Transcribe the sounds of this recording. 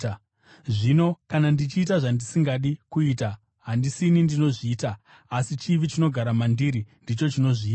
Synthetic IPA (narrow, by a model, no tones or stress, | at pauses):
ʐino̞kanandit͡ʃiːtaʐandisiŋɡaɗikuita | ɦandisinindino̞ʐiːta | asit͡ʃiʋit͡ʃino̞ɡʱaɾamandiɾindit͡ʃo̞t͡ʃino̞ʐiiːa